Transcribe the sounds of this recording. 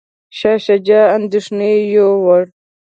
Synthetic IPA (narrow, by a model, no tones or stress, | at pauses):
ɕaɕɐd͡ʑaːnd̪iʂnejoːwɐɽ